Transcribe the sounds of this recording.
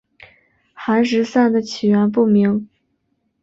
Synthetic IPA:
xa˧˥nʂ̬ɻ̩˧˥sa˥˩nd̪ə˩t͡ɕʰi˨˩ɥɛ˧˥np̬u˥˩mi˧˥ŋ

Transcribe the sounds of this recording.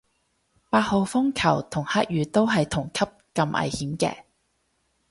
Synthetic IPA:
paː˧t̚ho˨˧wfʊ˥ŋkʰɐ˨˩wt̪ʰʊ˨˩ŋhaː˥k̚jyː˨˧t̪o˥wɦɐ˨jt̪ʰʊ˨˩ŋkʰɐ˥p̚kɐ˧mʔɐ̰˨jhiː˨˥mkɛ̰ː˧

